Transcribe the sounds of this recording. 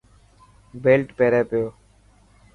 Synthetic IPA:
beːlʈpeːɾeːpɪjoː

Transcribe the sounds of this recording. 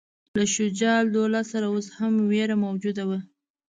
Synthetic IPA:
laʃʊd͡ʒɑld̪olɑsaɾaoshamweɾamawd͡ʒud̪awa

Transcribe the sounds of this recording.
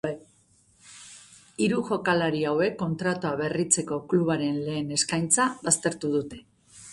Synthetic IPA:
iɾuʝo̞kalaɾiawe̞kːo̞nt̪ɾat̪uaβe̞rit͡se̞ko̞kluβ̞aɾe̞nle̞ːne̞skajnt͡saβast̪e̞ɾt̪uðut̪e̞

